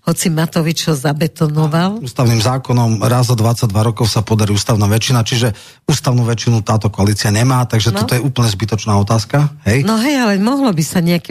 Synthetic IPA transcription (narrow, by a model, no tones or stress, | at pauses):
hɔt͡simat̪ɔʋit͡ʃhɔzabɛt̪ɔnɔʋaluːst̪aʊniːmzaːkɔnɔmɾazɔd̪ʋat͡saɟ̚d̪ʋaɾɔkɔʊsapɔd̪aɾiuːst̪aʊnaːʋɛt͡ʃːinat͡ʃiʒɛ | uːst̪aʊnuːʋɛt͡ʃːinut̪aːt̪ɔkɔaliːt͡siaɲɛmaːt̪aɡʒɛt̪ɔt̪ɔjɛuːpl̩ɲɛzbit̪ɔt͡ʃnaːɔt̪aːskaɦɛjnɔɦɛjalɛmɔɦlɔbisaɲɛakɛ